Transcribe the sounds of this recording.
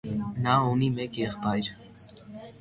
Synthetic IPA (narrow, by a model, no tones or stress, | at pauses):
nɑunimɛkjɛχpɑjɾ